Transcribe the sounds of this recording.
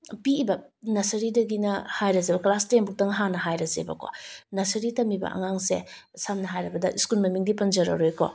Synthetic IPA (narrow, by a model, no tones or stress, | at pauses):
piːbɐnɐsɐɾidɐɡinɐhajɾɐzebɐklastenbuk̚tɐŋɦanɐɦajɾɐzḛbɐ̰ko̰nɐsɐɾitɐmibɐ̰ʔɐ̰ŋaŋse | samnɐɦajɾɐbɐdɐʔiskulmɐmiŋdipɐnzɐɾɐ̰ɾojkɔ̰